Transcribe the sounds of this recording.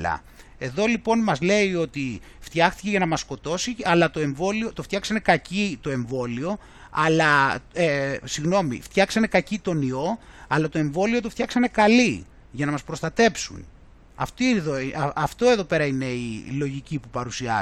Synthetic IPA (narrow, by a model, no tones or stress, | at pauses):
lɐ̰ | e̞ðo̞lipo̞nmɐzle̞io̞t̪i | ft̪çɐxt̪ice̞ʝɐnɐmɐsko̞t̪o̞siɐlɐt̪o̞e̞ɱvo̞lio̞t̪oft̪çɐksɐne̞kɐcit̪o̞e̞ɱvo̞lio̞ | ɐlɐesiɣno̞mḭft̪çɐksɐne̞kɐcit̪o̞nio̞ɐlɐt̪o̞e̞ɱvo̞lio̞t̪oft̪çɐksɐne̞kɐli | ʝɐnɐmɐspɾo̞st̪ɐt̪e̞psṵn | ɐ̰ft̪iðoɐft̪o̞e̞ðo̞pe̞ɾɐine̞ilo̞ʝicipupɐɾusiɐ